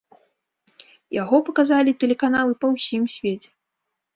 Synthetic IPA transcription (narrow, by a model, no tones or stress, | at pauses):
jaɣɔpɐkazalʲit̪ɛlʲɛkanalˠɨpɐwsʲimsʲvʲet͡sʲɛ̥